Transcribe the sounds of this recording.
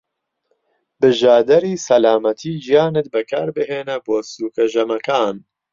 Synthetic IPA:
bɨʒaːd̪ɛɾiːsɐlaːmɐt̪ʰiːʒijaːnɨt̪̚bɨkʰaːɾbɨɦeːnɛboːsuːkɐʒɐmɐkaːn

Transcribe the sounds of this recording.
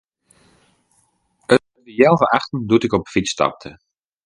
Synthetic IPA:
ə | əjɛlˠvəʔaχtən̩dutɪkɔpfistɑ̰p̚tʰə

